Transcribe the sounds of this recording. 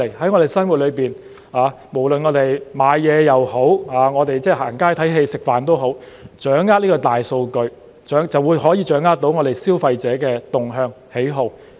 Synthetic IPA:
e˨˩jhɐ˨˥jŋɔː˧t̪e˨˩jsɐ˥nwu˨t̚lɵ˨˧ɥpiː˨n | aː˨˧ | mo˨˩wlɵ˨nŋɔː˨˧t̪e˨jmaː˨˧jjɛː˨˧jɐ˨who˨˥whaː˨˧ŋɔː˨˧t̪e˨jt͡sɛː˥˩ha̰ː˨˩ŋkaː˥t̪ʰɐ˨˥jɦe˧jsɪ˨k̚faː˨˩nt̪o˥wɦo˨˥w | t͡ʃœː˨˥ŋːaː˥niː˥kɔː˧t̪aː˨jso˧wkɵ˧ɥ | t͡ʃœː˨˥ŋt͡sɐ˨wuː˨˧jɦɔː˨˥jiː˨˧t͡ʃœː˨˥ŋaː˥t̚t̪o˨˥wŋɔː˨˧ɾe˨jsiː˥wfɐ˧jt͡sɛː˨˥kɛː˧t̪ʊ˨ŋɦœː˧ŋ | he˨˥jɦo˨˧w

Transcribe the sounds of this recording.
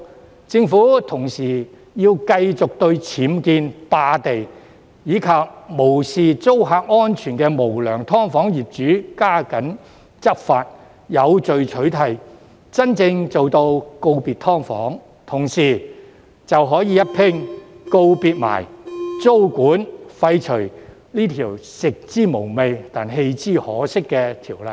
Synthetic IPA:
t͡sɪ˧ŋfuː˨˥t̪ʰʊ˨˩ŋsiː˨˩ | jiː˧wkɐ˧jt͡sʊ˨k̚t̪ɵ˧ɥt͡sʰiː˨˥mkiː˧npaː˧t̪e˨j | jiː˨˧˥kʰaː˨p̚mo˨˩wsiː˨t͡so˥wɦaː˧k̚ŋɔː˥nt͡ʃʰyː˨˩nkɛː˧mo˨˩wlœː˨˩ŋt̪ʰɔː˥ŋfɔː˨˥ŋjiː˨˩p̚t͡ʃyː˨˥kaː˥kɐ˨˥n | t͡sɐ˥k̚faː˧t̚ | jɐ˨˧wt͡ʃɵ˨ɥt͡ʃʰɵ˨˥ɥt̪ʰɐ˨j | t͡sɐ˥nt͡sɪ˧ŋt͡so˨wt̪o˧wko˧wpiː˨t̪ʰɔː˥ŋfɔ̰ː˨˥ŋ | t̪ʰʊ˨˩ŋsiː˨˩ | t͡sɐ˨wɦɔː˨˥jiː˨˧jɐ˥t̚pʰɪ˥ŋko˧wpiː˧t̚ma̰ː˨˩jt͡so˥wkuː˨˥nfɐ˧jt͡ʃʰɵ˨˩ɥ | niː˥t̪ʰiː˨˩wsɪ˨k̚t͡siː˥mo˨˩wme˨˧jt̪aː˨nɦe˧jt͡siː˥hɔː˨˥sɪ˥kːɛː˧t̪ʰiː˨˩wlɐ̰˨j

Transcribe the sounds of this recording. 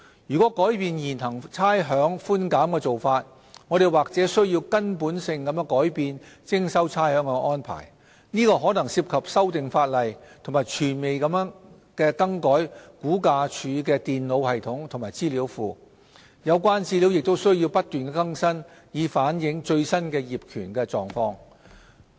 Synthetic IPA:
jyː˨˩kɔː˨˥kɔː˨˥jpiː˧njiː˨˩nɦɐ˨˩ŋt͡sʰaː˥jɦœː˨˥ŋfuː˥nkaː˨˥mkɛː˧t͡so˨wfaː˧t̚ | ŋɔː˨˧ɾe˨jwaː˨k̚t͡sɛː˨˥sɵ˥ɥjiː˧wkɐ˥npuː˨˥nsɪ˧ŋkɐ˨˧mjɛː˧˥ŋkɔː˨˥jpiː˨˧nt͡sɪ˥ŋsɐ˥wt͡sʰaː˥jhœː˨˧˥ŋɛ˧ʔɔː˥npʰa̰ː˨˩j | niː˥kɔː˧ɦɔː˨˥nɐ˨˩ŋsiː˧p̚kʰɐ˨p̚sɐ˥wt̪ɪ˨ŋfaː˧t̚lɐ˨jt̪ʰʊ˨˩ŋmaː˨˩jt͡ʃʰyː˨˩nme˨jkɐ˨˧mjœ˥ŋ | kɛː˧kɐ˥ŋkɔː˨˥jkuː˨˥kaː˧t͡ʃʰyː˨˧˥k̬ɛː˧t̪iː˨˩nlo˨˧whɐ˨jt̪ʰʊ˨˥ŋt̪ʰʊ˨˩ŋmaː˨˩jt͡siː˥li˨˥wfuː˨ | jɐ˨˧wkʷaː˥nt͡siː˥li˨˧˥wjɪ˨k̚t̪o˥wsɵ˥ɥji˧wpɐ˥t̚t̪yː˨nkɛː˧kɐ˥ŋsɐ˥njiː˨˧faː˨˥njɪ˨˥ŋt͡ʃɵ˧ɥsɐ˥nkɛː˧jiː˨˩p̚kʰyː˨˩nkɛː˧t͡sɔː˨ŋfɔː˧ŋ

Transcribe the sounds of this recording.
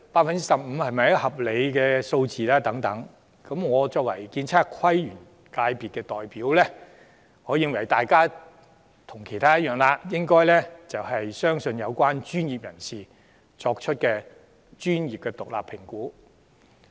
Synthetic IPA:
paː˧t̚fɐ˨nt͡si˥sɐ˨p̚m̩ː˨˧hɐ˨˩jmɐ˨˩jɐ˥hɐ˨˩p̚le˨˧jkɛː˧so˧wt͡siː˨laː˥t̪ɐ˨˥ŋt̪ɐ˨˥ŋ | kɐ˨˥mŋɔː˨˧t͡sɔː˧k̚wɐ˨˩jkiː˧nt͡sʰaː˥kʰɐ˥jɥyː˨˩n | kaː˧jpiː˨t̚kɛː˧t̪ɔː˨jpiː˨˥wlɛː˥ | ŋɔː˨˧jɪ˧ŋwɐ˨˩jt̪aː˨jkaː˥ | t̪ʰʊ˨˩ŋkʰe˨˩jt̪ʰaː˥jɐ˥t̚jœː˨˩ŋlaː˧jɪ˥ŋkɔː˥jlɛ˥t͡sɐ˨whɐ˨jsœː˥ŋsɵ˧njɐ˨˧wkʷaː˥nt͡ʃyː˥njiː˨p̚jɐ˨˩nsiː˨ | t͡ʃɔː˧k̚t͡ʃʰɵ˥t̚kɛː˧ | t͡ʃyː˥nji˨p̚kɛː˧t̪ʊ˨k̚la̰ː˨pʰːɪ˨˩ŋkuː˨˥

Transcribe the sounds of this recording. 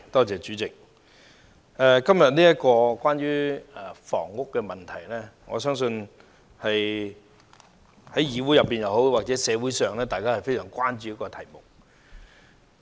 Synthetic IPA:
t̪ɔː˥t͡sɛː˨˩t͡ʃyː˨˥t͡sɪ˨k̚ | ʔɛː˨˧kɐ˥mjɐ˨t̚niː˥jɐ˥t̚kɔː˧kwaː˥njɥyː˥ɛ˨˩fɔ̰ː˨˩ŋːʊ˥kːɛː˧mɐ˨nt̪ʰɐ˨˩jlɛː˥ŋɔ̰ː˨˧sœː˥ŋsɵ˧n | hɐ˨j | hɐ˨˥jjiː˨˧wuː˨˥jɐ˨pːiː˨njɐ˨wɦo˨˥wwaː˨k̚t͡sɛː˨˥sɛː˨˧wuː˨˥jsœː˨ŋlɛː˥t̪aː˨jkaː˥hɐ˨˩fe˥jsœː˨˩ŋkʷaː˥nt͡ʃyː˧jɐ˥kɔː˧t̪ʰɐ˨˩jmʊ˨k̚

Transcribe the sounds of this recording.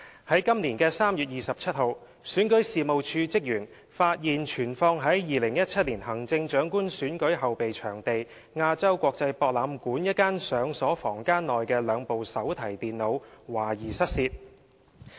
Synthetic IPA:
hɐ˨˥jkɐ˥mniː˨˩nkɛː˧saː˥mjyː˨t̚jiː˨sɐ˨p̚t͡ʃʰɐ˥t̚ho˨w | syː˨˥nkɵ˨˥jsiː˨mo˨wt͡ʃʰyː˧t͡sɪ˥k̚jyː˨˩n | faː˧t̚jiː˨nt͡ʃʰyː˨˩nfɔː˧ŋɦɐ˨˥jjiː˨lɪ˨˩ŋjɐ˥t̚t͡ʃʰɐ˥t̚liː˨˩nɦɐ˨˩ŋt͡sɪ˧ŋt͡ʃœː˨˥ŋkuː˥nsyː˨˥nkɵ˨˥ɥɦɐ˨wpe˨jt͡ʃʰœ̰ː˨˩ŋt̪e˨j | ŋaː˧t͡sɐ˥wkʷɔː˧k̚t͡sɐ˧jpɔː˧k̚laː˨˧mkuː˨˥njɐ˥t̚kaː˥nsœː˨˧ŋsɔː˨˥fɔː˨˩ŋkaː˥nlɔː˨jkɛː˧lœː˨˧ŋpo˨wsɐ˨˥wt̪ʰɐ˨˩jt̪iː˨nlo˨˧wwaː˨˩jiː˨˩sɐ˥t̚siː˧t̚

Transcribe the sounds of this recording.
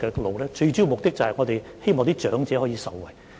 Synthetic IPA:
ɛː˧lo˨wlɛː˥t͡ʃɵ˧ɥt͡ɕiː˥wmʊ˨k̚t̪ɪ˥k̚t͡sɐ˨˩hɐ˨jŋɔː˨˧t̪e˨jhe˥jmɔː˨ŋt̪iː˥t͡ʃœː˨˥ŋt͡sɛː˨˥hɔː˨˥jiː˧sɐ˨wːɐ˨˩j

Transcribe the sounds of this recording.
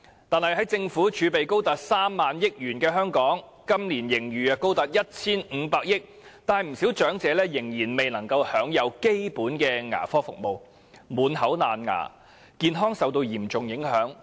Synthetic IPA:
t̪aː˨nhɐ˨˩jɦɐ˨˥jt͡sɪ˧ŋfuː˨˥t͡ʃʰyː˨˧pe˨jko˥wt̪ɐ˨t̚saː˥mːaː˨njɪ˥k̚jyː˨˩nkɛː˧ɦœː˥ŋkɔː˨˥ŋ | kɐ˥mliː˨˩njɪ˨˩ŋɥyː˨a˧ko˥wt̪ɐ˨t̚jɐ˥t̚t͡sʰiː˥nm̩ː˨˧paː˧k̚jɪ˥k̚ | t̪aː˨nhɐ˨jm̩˨˩si˨˥wt͡ʃœː˨˥ŋt͡sɛː˨˧lɛː˥jɪ˨˩ŋjiː˨˩nme˨jnɐ˨˩ŋkɐ˧whœː˨˥ŋjɐ˨˧wke˥jpuː˨˥nkɛː˧ŋa̰ː˨˩fɔː˥fʊ̰˨k̚mo˨˧w | muː˨˥nhɐ˨˥wnaː˨nŋa̰ː˨˩ | kiː˧nɦɔː˥ŋsɐ˨wt̪o˧wjiː˨˩mt͡sʊ˨ŋjɪ˨˥ŋhœː˨˥ŋ

